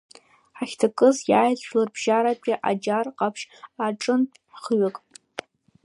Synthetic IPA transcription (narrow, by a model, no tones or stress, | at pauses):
ħaxʲtʰakʼɨzjaːjt͡ɕʷʰlarbʒaɾapʼʲaʔa̰d͡ʒarqʼapʰʃaʈ͡ʂʼɨn | χɥɪkʼ